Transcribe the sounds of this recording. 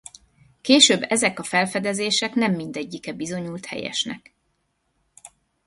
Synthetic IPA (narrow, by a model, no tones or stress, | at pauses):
keːʃøːbːɛzɛkɒfɛlfɛd̪ɛzeːʃɛknɛmːind̪ɛɟːikɛbizo̞ɲuːlt̪hɛ̰jɛ̰ʃnɛ̰k